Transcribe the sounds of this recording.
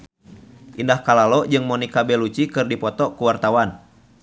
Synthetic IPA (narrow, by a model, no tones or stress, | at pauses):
ʔindahkalalɔd͡ʒɨŋmɔnikabɛlut͡ʃikɨrdipɔt̪ɔkuwart̪awan